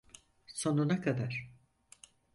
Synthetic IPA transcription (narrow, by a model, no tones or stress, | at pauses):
so̞nunakʰad̪aɾ̥